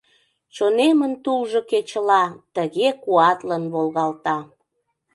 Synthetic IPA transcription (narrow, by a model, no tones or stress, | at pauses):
t͡ɕonemənt̪ulʒoket͡ɕəlɑt̪əɣekuɑt̪lənβolɣɑlt̪ɑ